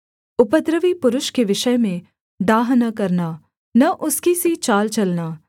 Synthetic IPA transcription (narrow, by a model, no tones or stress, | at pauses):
ʊpət̪ɾəʋipʊɾʊʃkeʋɪʃəjmẽ | d̪aːɦnakɐɾnaː | nɐʔʊskisit͡ʃaːlt͡ʃɐlnaː